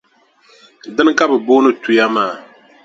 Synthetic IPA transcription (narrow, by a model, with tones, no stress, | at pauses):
dɨ˦n˦ka˦bɛ˨bʊː˦nɨ˦tu˨ja˦maː˦˨